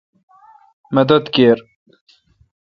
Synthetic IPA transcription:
mɐd̪ɐd̪keːɾ

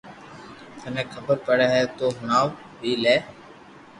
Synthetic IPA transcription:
t̪ənɛ̃ːkʰəbəɾpəɽɛːɦɛːt̪oːɦʊnaːʋ | biːlɛː

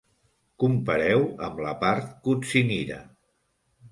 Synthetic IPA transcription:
kumpəɾɛwəmləpaɾt̪̚kut͡siniɾə̰

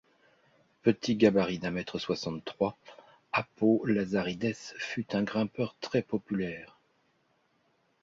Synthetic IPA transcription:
pət̪ʰiɡabaʁid̪ɛ̃mɛt̪χəswasɑ̃t̪t̪ːχwa | apolazaʁid̪ɛsfyt̪ɛ̃ɡʁɛ̃pœʁt̪χɛpɔpylɛːʁ

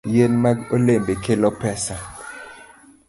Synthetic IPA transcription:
jenmaolembɛkʰɛlɔpɛsa

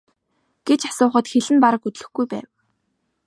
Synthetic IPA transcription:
ɡ̥et͡ɕasʊːχə̆t̪xeɮɘ̆npaɾə̆kɵt̪ɮɵ̆xɡujpæ̰ːw

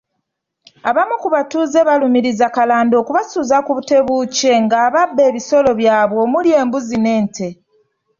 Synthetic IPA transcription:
aβamukuβatuːze̞βalumiɾizakalaːndo̞ːkuβasuːzakuβute̞βuce̞ŋɡaːβabːe̞ːβiso̞lo̞βjaːβwo̞mulje̞ːmbuzine̞ːntʰe̞

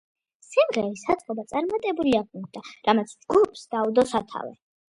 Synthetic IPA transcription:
simʁɛɾisat̪sʼqʼɔbat̪sʼaɾmat̪ʼɛbuliaʁmɔd̪aɾamat̪sʰd͡ʒɡupʰsd̪̥aud̪ɔsat̪ʰa̰vɛ̰

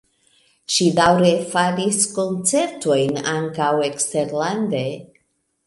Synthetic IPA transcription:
ʃidawɾe̞faɾisko̞nt͡se̞ɾto̞jnaŋkawe̞kste̞ɾland̪e̞

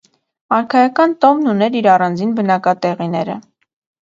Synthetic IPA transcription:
ɑɾkʰɑjɑkɑnt̪ɔvnunɛɾiɾɑrɑnd͡zinbənɑkɑt̪ɛʁinɛɾə̰

